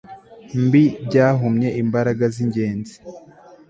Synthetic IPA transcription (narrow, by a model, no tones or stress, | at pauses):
mbibɟaːɦumɲe̞ʔimbaɾaɡaziɲɟe̞ːnzi̥